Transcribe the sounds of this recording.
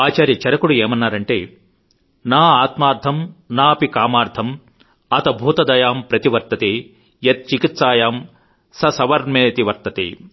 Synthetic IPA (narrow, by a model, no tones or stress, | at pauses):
aːt͡ʃaːɾjɐt͡ʃɐɾɐkuɽueːmɐnːaːɾɐɳʈeː | naːaːt̪maːɾd̪ʱɐmnaːpikaːmaːɾd̪ʱʰɐm | ɐt̪ɐbʱuːt̪ɐd̪ɐjaːmpɾɐt̪iʋɐɾt̪ɐt̪eː | jɐt̪̚t͡ʃikit̪saːjaːm | sɐsɐʋɐɾmeːt̪iʋɐɾt̪ɐt̪ḛː